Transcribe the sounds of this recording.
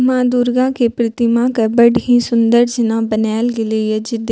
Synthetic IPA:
mãːd̪uːɾɡãːkeːpɾɪt̪ɪmãːkɛbəɖɦĩːsʊnd̪əɾd͡ʒɪnãːbənɛːlɡɪleːɛd͡ʒɪd̪

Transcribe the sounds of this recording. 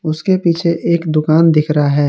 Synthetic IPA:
ʊskepiːt͡ʃʰeʔeːkd̪ʊkaːnd̪ɪkʰɾaaɦɛː

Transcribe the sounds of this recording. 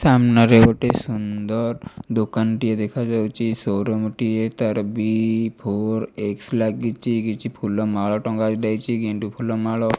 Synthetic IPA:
samnaɾeʋoʈesund̪əɾd̪okanʈijed̪ekʰad͡ʒat͡ʃisoɾɔmʈijet̪əɾbipʰoɾekslaɡit͡ʃiɡit͡ʃipʰulɔmaɭɔʈɔ̃ŋɡad͡ʒlajt͡ʃiɡeɳʈupʰulɔmaɭɔ

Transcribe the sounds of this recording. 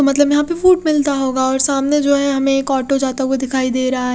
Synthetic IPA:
omɐt̪ləbjɐɦãpefuːʈmɪlt̪aɦoːɡaɔːɾsaːmned͡ʒoːɦɛ̃ɦɐmẽkɔːʈod͡ʒaːt̪aɦued̪ɪkʰaːid̪eːɾɐɦaɦ

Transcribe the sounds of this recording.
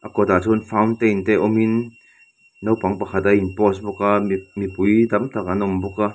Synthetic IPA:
ʔakɔt̪atunfawntejnteʔɔminː | owpaŋpɐxʰat̪ɐinpɔs̬bɔkamipujdɐmt̪akanɔmbuka

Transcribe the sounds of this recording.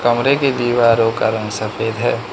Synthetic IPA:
kɐmɾeked̪iːʋaːɾoːkaɾə̃ŋsɐfeːd̪ɦɛː

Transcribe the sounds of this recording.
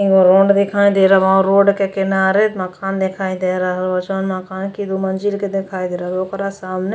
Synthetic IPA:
ĩɡoɾõːɳɖd̪ɪkʰaːĩd̪eːɾaʋãːɾoːɖkekɪnaːɾeməkaːnd̪ekʰaːid̪eːɾaɦlət͡ʃonmakaːnkid̪umɐnd͡ʒilked̪ekʰaːid̪eːɾaɦlokɾasaːmne

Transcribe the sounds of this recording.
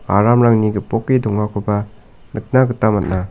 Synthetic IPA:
aɾamɾaŋniɡɯpɔkːidɔŋːakʰɯba | nɯk̚naɡɯtamat̚na

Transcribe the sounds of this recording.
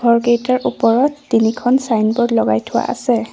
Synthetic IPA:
ɡʱɔɹkejtaɹʔupɔɹɔtːinikʰɔnsajnbɔɹlɔɡa̰jtʰʊwa̰ʔa̰sɛ

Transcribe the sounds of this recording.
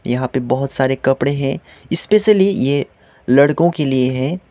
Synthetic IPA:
jɐɦãpebɐɦʊt̪saːɾekɐpɽeɦɛ̃ | ɪspeːʃəlije | lɐɽkõkelieɦɛ̃

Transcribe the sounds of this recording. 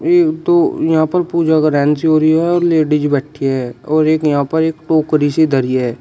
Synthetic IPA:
eːkt̪oːjɐɦãpəɾpuːd͡ʒaɡɾɛ̃ːnsiɦoːɾiɦɛɔːɾleːɖɪd͡ʒbɛːʈʰiɦɛɔːɾeːkjɐɦãːpɐɾeːkʈoːkɾised̪ʱəɾijɦɛː

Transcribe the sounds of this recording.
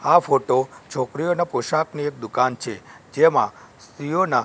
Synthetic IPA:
afoʈot͡ʃʰokɾijonapoʃakniek̚d̪ukant͡ʃʰed͡ʒemã̰ | sijona

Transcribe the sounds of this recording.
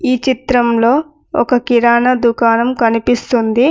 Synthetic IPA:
iːt͡ʃit̪ɾɐmlo̞ː | ɔ̰kɐkiɾaːnɐd̪ukaːnɐmkɐnipist̪und̪i

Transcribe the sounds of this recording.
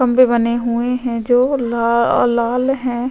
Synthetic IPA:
ɐmbebɐneɦueɦɛ̃d͡ʒoːlːlaːlɦɛ̃ː

